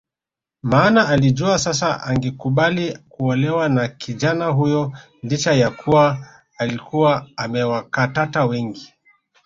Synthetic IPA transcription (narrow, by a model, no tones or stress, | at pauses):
maːnaalid͡ʒuasasaʔaŋɡɛkuɓalikuɔlɛwanakʰiʄanaɦujɔ | lit͡ʃajakʰuwaː | likuwaːmɛwakatatawɛŋɡi